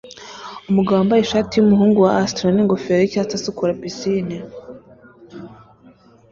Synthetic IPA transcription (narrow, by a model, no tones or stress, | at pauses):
umuɡawambaiʃaːtijumuɦuːŋɡuwaastɾoniŋɡofeɾicatasukuɾabisini